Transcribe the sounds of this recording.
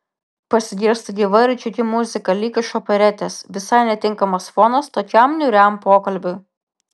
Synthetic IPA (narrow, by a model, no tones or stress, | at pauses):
pɐsʲɪɡʲiɾst̪ɐɡʲiːʋɐɾʲɪt͡ʃʲʊkʲɪmʊzʲɪkɐlʲiːkʲɐʃɔpʲɐɾʲɛt̪ʲesʋʲɪsɐɪnʲɛt̪ʲɪŋkɐmɐsfɔnɐst̪oːkʲɛmnʲʊɾʲɛmpoːkɐlʲbʲʊj